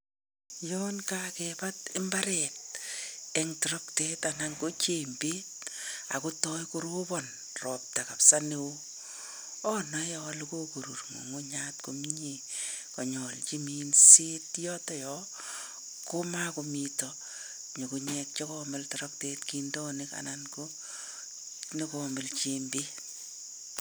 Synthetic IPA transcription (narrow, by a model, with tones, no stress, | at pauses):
jɔnkakepa˦tɪ˦mba˦ɾɛt̚ | ɛŋtɔ˨ɾɔ˦kte˦tanaŋko˦t͡ʃe˨mbeː˦t̚a̰˨ko˦tɔ˦jkoɾo˦bɔn | rɔ˨p̚ta˨ka˨psa˦newo | ɔna˨jɔalko˦ku˨ɾu˨rŋo̰˨ŋo˦ɲatko˨mi˦ɲe | kɔɲɔ˨lt͡ʃi˦miːnse˦tjɔ˦tɔ˦jɔ | ko˦ma˦ko˧mitɔ | ɲo˨kuɲɛk̚t͡ʃɔkɔmɪltɔɾɔktetkindɔ˦nɪka̰˨nanko˦ | ne˦kɔmɪ˨lt͡ʃembe˦